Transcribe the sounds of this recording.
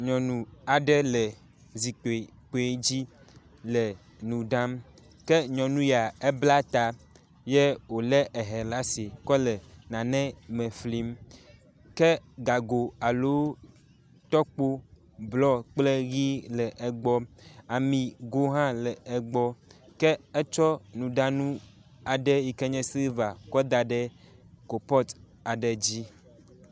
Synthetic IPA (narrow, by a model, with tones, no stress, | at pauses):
ɲɔ̃˨nũ˨a˨ɖɛ˦lə˨ | zi˨k͡po˨e˨ | k͡po˨e˨˦d͡ʑi˦ | lə˨ | nũ˨ɖã˦m | kɛ˦ɲɔ̃˨nũ˦ja˨e˦bla˦t̪a˨ | jɛ˦wo˨lɛ˦ʔɛ˨ɦɛ˨la˦se˨kɔ˦lɛ˨nã˨nɛ̃˦mɛ˨fli˦m | kɛ˦ɡa˨ɡo˨a˨lo˦ | t̪ɔ˦k͡po˦ | blɔ˦k͡ple˦ɣi˦lɛ˨ʔɛ˨ɡ͡bɔ˦a˨mĩ˨ɡo˦ɦã˦lɛ˨ɛ˨ɡ͡bɔ˦kɛ˦ɛ˦t͡ʃɔ˦nũ˨ɖa˦nũ˦ | a˨ɖɛ˦i˨kɛ˦ɲɛ̃˦si˦va˨kɔ˦d̪a˨ɖɛ˦ko˨pɔ˦t̪ | a˨ɖɛ˨d͡ʑi˦